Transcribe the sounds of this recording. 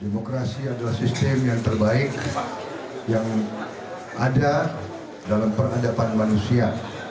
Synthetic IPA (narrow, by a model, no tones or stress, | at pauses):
demokɾasiadalahsist̪əmjaŋt̪ərbaɪk̚ | jaŋ | ʔada | dalampərɦadapanmanusia